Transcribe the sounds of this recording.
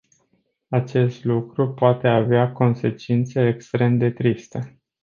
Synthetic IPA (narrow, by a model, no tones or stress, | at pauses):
at͡ʃe̞st̪lukɾupoat̪e̞aveako̞nse̞t͡ʃint̪seekst̪ɾe̞md̪e̞t̪ɾist̪ə